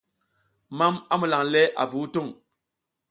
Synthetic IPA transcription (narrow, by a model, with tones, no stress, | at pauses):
ma˦ma˦mu˨la˨ŋlɛ˦ʔa̰˨vu˨˦u˦tu˦˨ŋ